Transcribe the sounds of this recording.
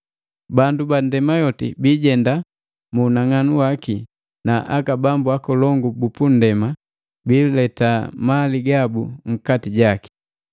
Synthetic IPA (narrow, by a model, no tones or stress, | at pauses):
banduban̩dɛmajɔtḭbiːɟɛnda | muːnaŋanuwaki | naʔakabambuakɔlɔŋɡubupun̩dɛma | biːlɛtamaliɡabuŋ̩katiɟaki̥